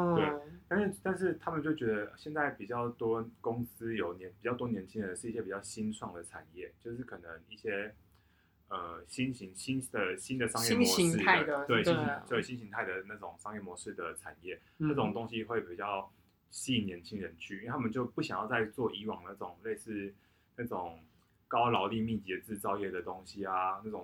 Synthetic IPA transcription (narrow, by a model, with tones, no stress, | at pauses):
t̪we˥˩ɪt̪a˥˧nʂɻ̩˥˩t̪a˥˧nʂ̬ɻ̩˥˩t̪ʰa˥mə˨nt͡ɕjo˥˩ʊt͡ɕɥɛ˧˥d̪ə˧˩ɕjɛ˥˧nt͡sa˥˩ɪpi˨˩t͡ɕjɑ˥˩ʊt̪wɔ˥kʊ˥ŋs̩˥jo˨˩ʊnɛ˧˦npi˨˩t͡ɕɑ˥˩ʊt̪wɔ˥njɛ˧˥nt͡ɕʰi˥ŋɻə˧˦ʂɻ̩˥˧i˥˩ɕjɛ˥pi˨˩t͡ɕjɑ˥˩ʊɕi˥nsʰwɑ˥˩ŋd̪ə˩ʈ͡ʂʰa̰˨˩njɛ˥˩t͡ɕjo˥˧ʊʂɻ̩˥˩kʰɤ˨˩nə˧˦ŋi˥˩ɕjɛ˥ | ə˨˩ɕi˥nɕi˧˥ŋɕi˥nd̪ə˨˩ɕi˥nd̪ə˨ʂɑ˥ŋjɛ˥˩ɔ˧˦i˧˥˩ə˩t̪we˥˩ɪɕi˥e˥˩ɪɕi˥nɕi˧˥ŋt̪ʰa˥˩ɪd̪ə˩na˥˩ʈ͡ʂʊ˨˩ŋʂɑ˥ŋjɛ˥˩mwɔ˧˦ʂɻ̩˥˩d̪ə˩ʈ͡ʂʰa˨˩njɛ˥˩ | na˥˩ʈ͡ʂʊ˨˩ŋt̪o˥˦ŋɕi˦xwe˥˩ɪpi˨˩t͡ɕjɑ˥˩ʊ | ɕi˥˩njɛ˧˥nt͡ɕʰi˥ŋɻə˧˦nt͡ɕʰy˥˨y˥˧˥tʰa˥mə˨nt͡ɕjo˥˧ʊpu˥˩ɕjɑ˨˩ŋjɑ˥˧ʊt͡sa˥˧ɪt͡swɔ˥˩i˧˥wɑ˨˩ŋd̪ə˩a˥˩ʊ˨˩ŋle˥˧ɪsɹ̩˥˩ | na˥˩ʈ͡ʂʊ˨˩ŋ | kɑ˥ʊlɑ˨˧ʊli˥˧mi˥˩t͡ɕɛ˧t͡sɹ̩˥˩t͡sɑ˥ʊjɛ˥˩d̪ə˩t̪o˥ŋɕi˦a˨na˥˩ʈ͡ʂʊ˨˩ŋ